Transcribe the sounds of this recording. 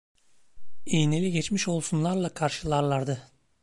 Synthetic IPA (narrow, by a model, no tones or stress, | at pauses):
ijnelʲiɟɛt͡ʃmiʃo̞lˠsunlˠaɾlˠakʰaɾʃɯlˠaɾlˠaɾd̪ɯ